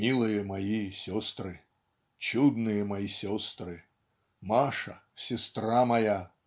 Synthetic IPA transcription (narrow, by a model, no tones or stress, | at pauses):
mʲilˠɨjɛmajisʲɔst̪ɾɨ | t͡ɕud̪nɨjɐmajisʲɔst̪ɾɨ | maʂɐ̰ | sʲɛst̪ɾamɐja